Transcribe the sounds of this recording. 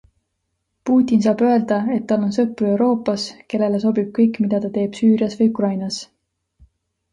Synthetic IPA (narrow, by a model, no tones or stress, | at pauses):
puːt̪ʲːˑins̬ɑːb̥ø̞e̞ld̪̥ɑe̞t̪ːɑlːo̞nsɤpːˑrue̞wɾo̞ːpːɑske̞lːe̞le̞s̬o̞bib̥̚kɤjkˑmid̪̥ɑt̪ɑt̪e̞ːb̥syːɾiɑsvɤjukrɑjnɑs